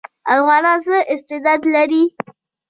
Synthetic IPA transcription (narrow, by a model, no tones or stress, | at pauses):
afɣɑnɑnzəʔɪst̪ɪd̪ɑd̪laɾi